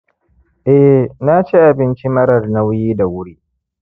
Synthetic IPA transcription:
ʔɛ˦na˦t͡ʃi˦ʔa˨bɪ˦nt͡ʃi˦mɐ˦ɽɐ˨rna˦wjiː˦da˨wʊ˦ɽiː˦ʔ

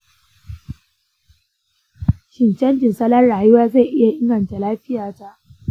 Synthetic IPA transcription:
ʃi˨nt͡ʃɐ˦nd͡ʒi˨nsɐ˦la˦nɽaː˨ju˦waː˦za˦˨ʔɪ˦ja˨ʔɪ˦ŋɡɐ˨nt͡ʃa˨laː˦ɸi˦jaː˨d͡ʒa˦ʔ

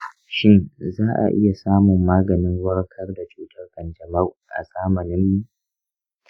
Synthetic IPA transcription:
ʃɪ˦nzaː˦ʔa̰˨ʔɪ̰˦ja˨saː˦mʊ˨mːaː˦ɡɐ˨nɪ˦ŋwɐ˦ɽkʰɐ˦rda˨t͡ʃuː˨tʰɐ˦rɡɐ˨nd͡ʒɐ˨mɐ˦wʔa̰˨sʼaː˦mɐ˨nɪ˦mjiː˦

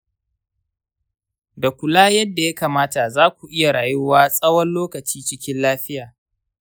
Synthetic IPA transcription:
da˨kʷʊ˨laː˦jɐ˦dːa˨ja˦kaː˨maː˦ta˨zaː˦kʷu˨ʔɪ˦ja˨ɽaː˨jʊ˦waː˦sʼɐ˦wɔ˦nloː˦kɐ˨t͡ʃiː˦t͡ʃɪ˦kʲɪ˦nlaː˦ɸɪ˦jaː˨

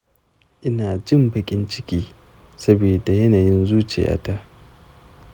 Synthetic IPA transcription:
ʔɪ˦naː˨d͡ʒɪ˦mbɐ˨kʲʼɪ˦nt͡ʃɪ˦kʲiː˦ | sɐ˦beː˨da˨jɐ˦naː˨jɪ˦nzuː˦t͡ʃḛ˨ja̰ː˦ta˦ʔ

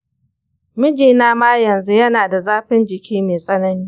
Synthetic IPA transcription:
mɪ˦d͡ʒiː˨naː˦maː˦jɐ˨nzu˦jɐ˦naː˨da˨zaː˦ɸɪ˦nd͡ʒɪ˨kʲʰiː˦meː˨sʼɐ˦nɐ˦niː˦

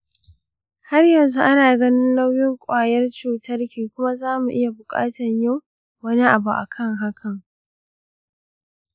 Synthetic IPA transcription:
ha˦rjɐ˨nzu˦ʔa˦naː˨ɡɐ˦nɪ˦nla˦wjɪ˦ŋkʷʼaː˨jɐ˦rt͡ʃuː˨tʰɐ˦rkʲiː˨kʷʊ˦ma˦zaː˦mu˨ʔɪ˦ja˨bʊ˨kʼa̰ː˦tɐ˨ɲja˦˨w | wɐ˦ni˦ʔa˨bu˨ʔa̰˨kʰɐ˦ŋɦa˦kʰɐ˨ŋ

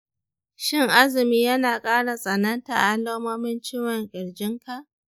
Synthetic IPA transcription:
ʃɪ˦˨ŋʔa˦zɪ˨miː˦jɐ˦naː˨kʼaː˦ɽa˨sʼɐ˨nɐ˦nta˨ʔʔa˦loː˦moː˦mɪ˦nt͡ʃɪː˦wɐ˨ŋkʲʼɪ˨ɽd͡ʒɪ˦ŋkʰa˨ʔ

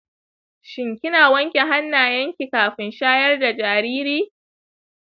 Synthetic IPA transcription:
ʃɪ˨ŋkʲɪ˦naː˨wɐ˦ŋkʲe˨ɦa˦nːaː˨jɐ˦ŋkʲi˨kaː˨ɸɪ˨nʃaː˦jɐ˦rda˨d͡ʒaː˨ɾiː˦ɾiː˦

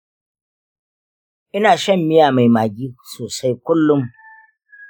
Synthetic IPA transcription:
ʔɪ˦naː˨ʃɐ˦˨mːɪ˦jaː˨ma˨jmaː˨ɡʲiː˦soː˨sa˦jkʊ˦lːʊ˦m

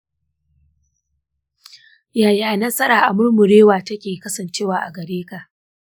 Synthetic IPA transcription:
jaː˨jaː˨nɐ˦sɐ˦ɾaː˨ʔa˨mʊ˦rmʊ˨ɽeː˦waː˨tɐ˦kʲeː˨kɐ˦sɐ˨nt͡ʃeː˦waː˨ʔa˨ɡɐ˨ɽeː˦ka˨ʔ

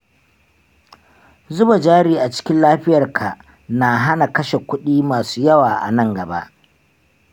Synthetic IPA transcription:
zʊ˦ba˨d͡ʒaː˦ɽiː˨ʔa˨t͡ʃɪ̥˦kʲɪ˦nlaː˦ɸɪ˦jɐ˨rkʰa˨ | na˨ɦa˦na˨kɐ˦ʃe˨kʷʊ˦ɗiː˦maː˨suː˦jɐ˦waː˨ʔa̰˨nɐ˦ŋɡɐ˨ba̰˦ʔ

